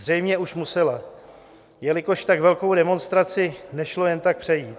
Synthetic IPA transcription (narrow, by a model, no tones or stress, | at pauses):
r̝ɛjmɲɛʔuʃmusɛla | jɛlɪko̞ʃt̪akvɛlko̞wdɛmo̞nst̪ɾat͡sɪnɛʃlo̞jɛnt̪ak̚pr̝̥ɛjiːt̪̚